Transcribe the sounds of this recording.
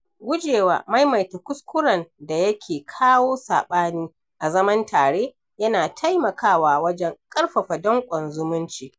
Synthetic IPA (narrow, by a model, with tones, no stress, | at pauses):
ɡʷʊ˦d͡ʒeː˨wa̰ː˨ma˦jma˨jta˨kʷʊ˦skʷʊ˦ɾɐ˨nda˨jɐ˦kʲʰeː˨kʰaː˦woː˦sa̰ː˨ɓaː˦niː˦ | ʔa˨zɐ˦mɐ˦ntʰaː˨ɽeː˦ | jɐ˦naː˨tʰa˦jmɐ˨kʰaː˦waː˨wɐ˦d͡ʒɛ˦ŋkʼɐ˦rɸɐ˨ɸa˨dɔ˦ŋkʷʼɔ˨nzʊ˦mʊ˦nt͡ʃiː˨